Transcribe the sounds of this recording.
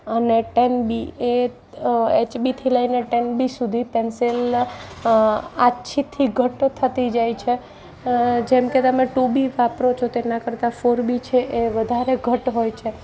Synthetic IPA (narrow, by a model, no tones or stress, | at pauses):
əneʈenbie | et͡ʃbit̪ʰiləineʈenbisud̪ʱipensel | aːʃʰit̪ʰiɡʱəʈt̪ʰət̪id͡ʒajt͡ʃʰe | d͡ʒɛmket̪əmeʈubiʋapɾot͡ʃʰot̪enakəɾt̪afoɾbit͡ʃʰeʔeʋəd̪ʱaɾeɡʱəʈɦojt͡ʃʰe